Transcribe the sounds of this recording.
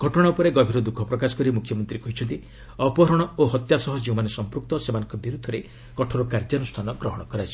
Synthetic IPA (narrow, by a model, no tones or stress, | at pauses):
ɡʱɔʈɔɽ̃aupɔɾeɡɔbʱiɾɔd̪ukʰɔpɾɔkasɔ̥kɔɾimukʰjɔmɔnt̪ɾikɔɦit͡ʃʰɔnt̪i | ɔpɔɦɾɔɽ̃ɔoɦɔt̪jasɔɦɔd͡ʒeũmanesɔmpɾuk̚t̪ɔsemanɔ̃ŋkɔbiɾud̪ʱɔɾe | kɔʈʰɔɾukaɾd͡ʒanusʈʰanɔɡɾɔɦɔɽ̃ɔkɔɾajt͡ʃʰi̥